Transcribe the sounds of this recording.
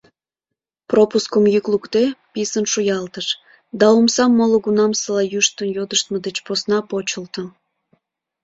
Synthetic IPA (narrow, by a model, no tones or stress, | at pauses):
propuskəmjyklukt̪episənʃujɑlt̪əʃ | d̪ɑomsɑmːoloɣunɑmsəlɑjuʃt̪ənjod̪əʃt̪məd̪et͡ɕposnɑpot͡ɕəlt̪ə̆